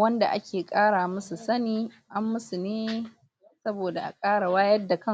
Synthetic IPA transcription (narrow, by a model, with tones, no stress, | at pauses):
wɐ˦nda̰˨ʔa̰˦kʲeː˨kʼaː˦ɽaː˨mɐ˦su˨sɐ˦niː˦ | ʔa˦mːʊ˦su˨neː˦ | sɐ˦boː˨da˨ʔa̰˨kʼaː˦ɽa˨waː˦jɐ˦dːa˨kɐ˦˨